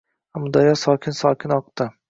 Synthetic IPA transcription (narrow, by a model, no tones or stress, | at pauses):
amʊd̪ɒjɒsɒkʲʰɪnsɒkʲʰɪnɒqt̪ɪ